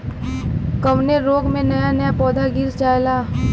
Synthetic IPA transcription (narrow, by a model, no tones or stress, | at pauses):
kɐʋneɾoːɡmẽnɐjanɐjapɔːd̪aɡɪɾt͡ʃaːjlaː